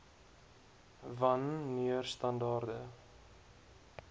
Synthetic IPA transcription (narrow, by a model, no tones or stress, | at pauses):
vɐnːiərstɐndɑːrdə